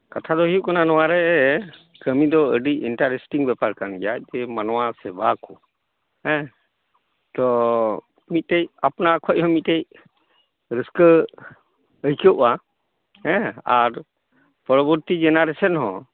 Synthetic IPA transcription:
kat̪ʰad̪ɔɦiuʔkananɔwaɾɛ | kəmid̪ɔəɖiinʈaɾesʈiŋbɛpaɾkanɡɛjac̚d͡ʒɛmanɔwasɛbakɔ | ɛ̃ | t̪ɔ | mit̪̚ʈejapnakʰɔʔ̚ˀhɔ̃mit̪̚ʈej | ɾəskə | əjkɔʔa | ɦɛ̃aɾ | pɾɔbəɾt̪id͡ʒɛnaɾɛsənɦɔ̃

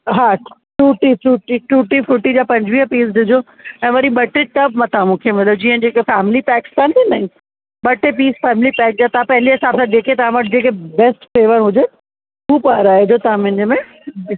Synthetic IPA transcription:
ɦaː | ʈuːʈifɾuːʈiʈuːʈifɾuːʈid͡ʑaːpɐ̃ɲd͡ʑʋiːɦəpiːs̬d̪ɪd͡ʑo | ɛ̃ːʋɐɾiɓɐʈeʈɐbmɐ̃t̪ʰaamũːkʰemɐt̪ləbd͡ʑiːə̃d͡ʑeːkefɛːmɪlipɛːkɪ̥st̪aːnt̪ʰinaɦĩ | ɓɐʈep̬iːsfɛːmɪlipɛːk̚d͡ʑaːt̪ɐãpɐɦɪliɦɪsaːbsãd̪eːkʰet̪ɐʋ̤ãʋɐʈ̚ʰd͡ʑeːkebɛːsʈfeːʋəɾɦʊd͡ʑe | uːpaɾaːɦed͡ʑoːt̪ɐãmʊ̃ɦɪ̃ɲd͡ʑəmẽ

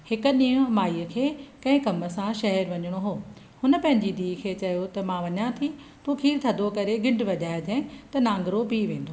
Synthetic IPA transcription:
hɪkʊ̆nĩːɦʊ̃maːiːəkʰeːkɐ̃ɦɪ̃kɐmə̆sãʃɐɦɛɾʋɐɲəɽ̃oɦoː | hʊnə̆pɐ̃ɦɪ̃ɲd͡ʑid̪iːkʰeːt͡ɕɐjot̪ɐmãʋɐɲãt̪ʰi | t̪ũːkʰiːɾt̪ʰɐd̪ʱokɐɾeɡɪ̃ɳɖʋɐʄaːɪd̪ʱẽt̪ɐnãːŋɡɾopiːʋẽːnd̪oː

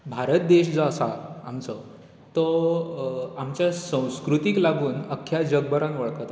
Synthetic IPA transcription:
bʱaɾət̪̚d̪eɕd͡zɔəsa̰ːmt͡sə | t̪ɔ | amt͡ɕjasə̃w̃skɾut̪iklaɡuːnəkʰːjad͡ʑəɡ̚bəɾãnʋəɭkət̪

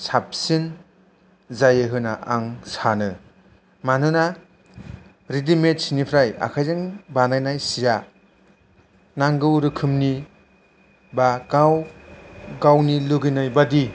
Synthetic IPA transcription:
sap̚sin | zajɯɦɯnaʔaŋsanɯ | manɯna | ɾidimet̚sinipʰɾaja̰kʰajzɯŋbanajnajsija | naŋɡɯwɾɯkʰɯmni | bakaw | ɡawniluɡɯnajbadi

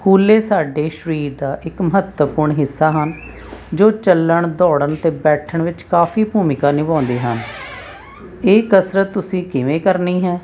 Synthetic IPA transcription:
kʰuːlːeːsaːɖeːʃəɾiːd̪aːʔɪkməɦət̪wəpʊɾɳɦɪsːaːɦən | d͡ʒoːt͡ʃəlːəɳd̪ɔːɽəɳt̪eːbɛːʈʰəɳʋɪt͡ʃkaːpʰiːbʱuːmɪkaːnɪbãːnd̪eːɦən | eːkəsɾət̪ːʊsĩːkɪʋẽːkəɾniːɦɛː

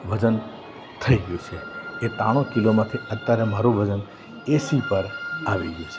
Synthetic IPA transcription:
ʋəd͡ʒən | t̪ʰəiɡeut͡ʃʰeet̪aɽ̃okilomãt̪ʰiət̪ːaɾemaɾũʋəd͡ʒən | esipəɾaʋiɡeut͡ʃʰe

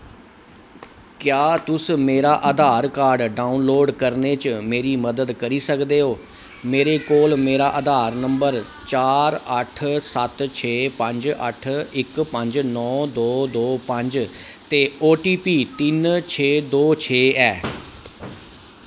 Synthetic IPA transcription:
kjaːt̪ʊsmeːɾaːʔəd̪aːɾkaːɾɖɖaːunloːɖkəɾneːt͡ʃmeːɾiːməd̪əd̪kəɾiːsəkd̪eːɦoː | meːɾeːkoːlmeːɾaːʔəd̪aːɾnəmbəɾ | t͡ʃaːɾəʈʰsət̪t͡ʃʰeːpə̃ɲd͡ʒə̰ʈʰɪkpəɲd͡ʒnɔːd̪oːd̪oːpə̃ɲd͡ʒt̪eːoːʈiːpiːt̪ɪnt͡ʃʰeːd̪oːt͡ʃʰeːɛː

